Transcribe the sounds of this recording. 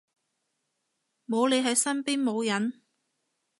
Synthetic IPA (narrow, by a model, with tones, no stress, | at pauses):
mo˨˧wle˨˧jɦɐ˨jsɐ˥npiː˥nmo˨˧wjɐ˨˥n